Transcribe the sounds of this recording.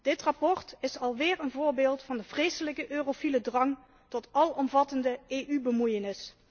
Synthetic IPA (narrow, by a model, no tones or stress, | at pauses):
d̥ɪtrɑpɔɹtɪsɑlˠʋɪːɹənvʊːɹbeːlˠtfɑndəv̥rejsələkəʔøːrofilədrɑŋ | tɔtɑlɔmvɑtəndəeːʔybəmujənɪs